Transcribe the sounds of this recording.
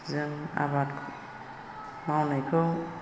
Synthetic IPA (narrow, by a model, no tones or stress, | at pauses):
zɯŋa̰batkʰ | mawnajkʰɔ